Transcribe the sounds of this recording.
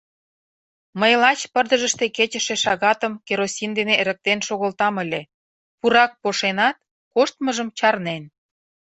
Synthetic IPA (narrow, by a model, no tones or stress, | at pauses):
məjlɑt͡ɕpərd̪ə̆ʒə̆ʃt̪eket͡ɕə̆ʃeʃɑɣɑt̪əmkeɾosʲind̪eneɾə̆k̚t̪enʃoɣə̆lt̪ɑmə̆lʲe | puɾɑk̚poʃenɑt̪̚ | koʃt̪məʒəmt͡ɕɑrnen